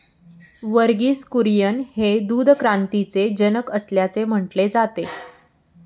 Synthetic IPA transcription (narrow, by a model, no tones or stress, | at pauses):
ʋəɾɡiːskuɾjənhed̪uːd̪ʱkɾant̪it͡sed͡ʑənəkəsljat͡sem̤əʈled͡zat̪e